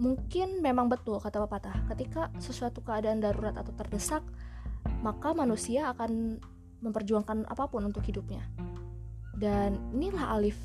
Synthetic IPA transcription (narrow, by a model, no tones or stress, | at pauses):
muŋkɪnmemaŋbət̪ʊlkat̪apapat̪ahkət̪ikasəsuat̪ukəadaːndaɾuɾat̪a̰t̪awt̪ərdəsak̚makamanusiaːkan | məmpərd͡ʒuaŋkana̰papʊnunt̪ʊkhidup̚ɲa | daninilaha̰lɪf